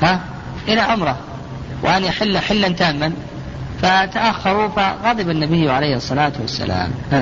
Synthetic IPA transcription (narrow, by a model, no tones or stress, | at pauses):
ha | ʔɪlaʕʊmɾˤɑ | wʔanʔaħɪlːħɪlːant̪aːmːan | fat̪aʔaxːɑɾˤufaɣɑːd̪ˤɪbanːabɪjːʕaleːhɑsˤːɑlaːt̪wasːa̰la̰ːm